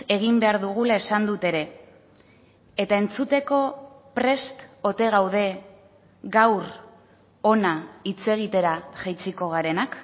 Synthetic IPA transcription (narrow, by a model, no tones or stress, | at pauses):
e̞ɣ̞imbe̞aɾðuɣ̞ulae̞sand̪ut̪e̞ɾe̞ | et̪ae̞nt͡sut̪e̞ko̞pɾe̞st̪o̞t̪e̞ɣ̞awð̞e̞ | ɣawɾ | o̞nait͡se̞ɣ̞it̪e̞ɾaʝajt͡siko̞ɣaɾe̞nak